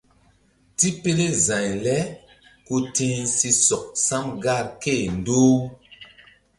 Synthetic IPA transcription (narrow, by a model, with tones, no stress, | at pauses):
ti˦pe˦le˦zã˨ɲlɛ˦ | ku˦tĩ˦si˧sɔ˨k̚sa˦mɡa˦˨ɾke˦˨n˨do˦